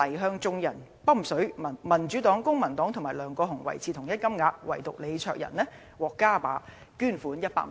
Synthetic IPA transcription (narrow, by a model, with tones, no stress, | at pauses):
lɐ˨˩jɦœː˧ŋt͡sʊ˧ŋjɐ˨˩n | pɐ˥m̩˨sɵ˨˥ɥmɐ˨˩nt͡ʃy˨˥t̪ɔː˨˥ŋkʊ˥ŋmɐ˨˩nt̪ɔː˨˥ŋt̪ʰʊ˨˩ŋmaː˨˩jlœː˨˧ŋkɔː˧ɦʊ˨˩ŋwɐ̰˨˩jt͡sʰiː˨˧t̪ʰʊ˨˩ŋjɐ˥t̚kɐ˥mŋaː˧t̚wɐ˨˩jt̪ʊ˨k̚le˨˧jt͡sʰœː˧˨k̚jɐ̰˨˩nlɛː˥ | wɔː˨˩kːaː˥pa̰ː˨˧ | kyː˥˩nfuː˨˥njɐ˥t̚pa̰ː˧k̚